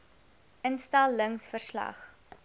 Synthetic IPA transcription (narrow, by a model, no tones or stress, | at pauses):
ʔənstalːəŋsfərslɐ̰χ